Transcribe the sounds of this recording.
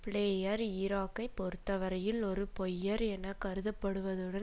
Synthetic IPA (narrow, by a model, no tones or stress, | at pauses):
pɪɭeːjɐɾiːɾaːkːɐɪpːɔɾɯt̪ːɐʋɐɾɐjɪlɔɾɯpɔjːɐɾɛnːɐkɐɾɯðɯpːɐɽɯʋɐðɯɽɐ